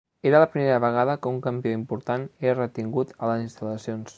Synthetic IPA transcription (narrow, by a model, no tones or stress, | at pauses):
eɾələpɾimeɾəβəɣ̞aðəkəuŋkəmbioimpuɾt̪aneɾrət̪iŋɡut̪ələzinst̪ələsions